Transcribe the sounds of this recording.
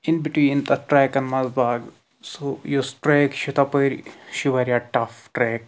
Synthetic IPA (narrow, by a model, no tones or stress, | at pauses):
inbiʈʋiːnd̪ɐʈɾɛːkɐ̃nmɐzbaːɡ | sojosʈɾeːkʃit̪ɐpɐjɾiʃiʋɐɾiaʈɐfʈɾeːk̚